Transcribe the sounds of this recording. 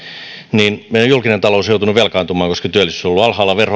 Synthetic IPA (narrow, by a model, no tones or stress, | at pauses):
niːnmeiojulkinent̪ɑloːsjout̪unuʋʋelkɑːˑnt̪umɑːŋkoskɑt̪yælːˑisysolːuɑlhɑːlːɑʋerho